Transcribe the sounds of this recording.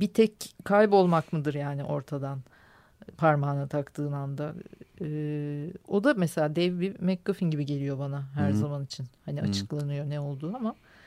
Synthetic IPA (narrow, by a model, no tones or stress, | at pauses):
bit̪ʰɛckʰːajbo̞lˠmakmɯd̪ɯɾjaːniʔo̞ɾt̪ʰad̪an | pʰaɾmaːnat̪ʰakt̪ʰɯːnand̪aɯːo̞d̪amese̞lʲaːd̪ɛvbimɛk̚ɡafinɟibiɟe̞lʲijo̞banaɦæɾzamanit͡ʃʰinhaniat͡ʃʰɯ̥klˠanɯjo̞nɛo̞lˠd̪uːama